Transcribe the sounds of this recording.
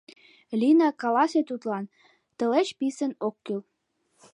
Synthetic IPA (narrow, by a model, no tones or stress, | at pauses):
lʲinɑkɑlɑset̪ut̪lɑn | t̪ə̆let͡ɕpisə̆nokːyl